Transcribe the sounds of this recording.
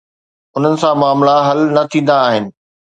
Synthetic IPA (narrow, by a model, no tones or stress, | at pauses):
ʊn̤ənɪ̆sãmaːmlaɦɐlnɐt̪ʰĩːn̆d̪aːɦɪnɪ̆